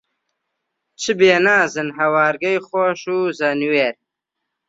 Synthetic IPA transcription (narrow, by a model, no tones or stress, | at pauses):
t͡ʃʰɨbeːnaːzɨnɦɐwaːɾɡɐjχoʃuzanweːɾ